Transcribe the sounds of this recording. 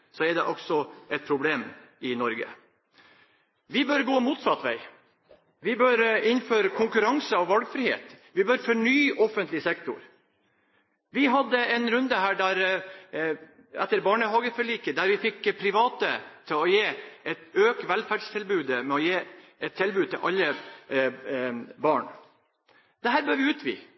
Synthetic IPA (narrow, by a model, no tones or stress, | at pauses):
sɔɛɖɛʔɔksɔʔɛt̪̚pʰɾʊbleːm | ɪnɔɾɡə̰ | ʋɪbœɾɡoːmuːt̪sɑt̪ʋæ̰ɪ | ʋɪbœɾɪnføːɾəkʰʊŋkʉɾɑŋsəɑʋʋɑlɡfɾɪhḛːt̪ʋɪbœɾfɔɳyːʔɔfənt̪lɪsɛkt̪ʊ̰ɾ | ʋɪɦɑd̪ːəɛnɾʉnd̪əhæːɖæɾ | ɛt̪ːəɾbɑːɳəɦɑːɡəfɔɭiːkəd̪æɾʋɪfɪkːpʰɾɪʋɑːt̪ət̪ʰɪlɔjeːɛt̪øːkt̪ʋælfæːɖʂt̪ʰɪlbʉːd̪əmɛɔjeːɛt̪t̪ʰːɪlbʉːd̪̚t̪ʰɪ̰lʔɑlːə | bɑːɳ | d̪̥ɛhæːɾbøːɾʋɪʉːt̪ʋɪ̰ː